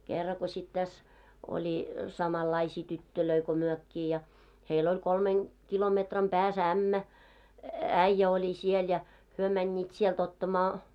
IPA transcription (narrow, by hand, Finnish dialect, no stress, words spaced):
kerːɑ ko sʲit tæs olʲi sɑmɑlːɑisiː tytːøløi ko myøkːiː jɑ heil olʲ kolmen kilometrɑm pæːs æmːæ æĭjːæ olʲi siel jɑ hyø mænʲːiːt sielt otːɑmɑː